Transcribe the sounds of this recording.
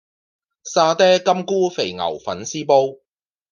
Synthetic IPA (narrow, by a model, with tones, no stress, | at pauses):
saː˧t̪ɛː˥kɐ˥mkuː˥fe˨jŋɐ̰˨˩wfɐ˨˥nsiː˥po˥w